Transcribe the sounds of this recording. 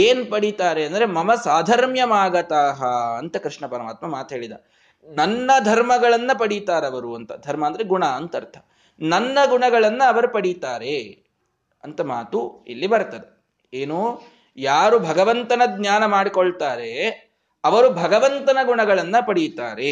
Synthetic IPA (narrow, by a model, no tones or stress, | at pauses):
eːnpɐɽit̪aːɾeɐnd̪ɐɾemɐmɐsaːd̪ʱɐɾmjɐmaːɡɐt̪aːɦɐɐnt̪ɐkɾɪʂɳɐpɐɾɐmaːt̪mɐmaːt̪uɦe̞ːɭid̪ɐ̰ | nɐnːɐd̪ʱɐɾmɐɡɐɭɐnːɐpɐɽit̪aːɾeɐʋɐɾuɐnt̪ɐ̰d̪ʱɐɾmɐːnd̪ɐɾeɡuɳɐɐnt̪ɐɾt̪ʰɐ̥ | nɐnːɐɡuɳɐɡɐɭɐnːɐːʋɐɾupɐɽit̪aːɾe | ɐnt̪ɐma̰ːt̪uḭlːibɐɾt̪ɐd̪e | eːnu | jaːɾubʱɐɡɐʋɐnt̪ɐnɐd̪njaːnɐmaːɽikoɭt̪aːɾe̞ | ɐʋɐɾubʱɐɡɐʋɐnt̪ɐnɐɡuɳɐɡɐɭɐnːɐpɐɽit̪aːɾe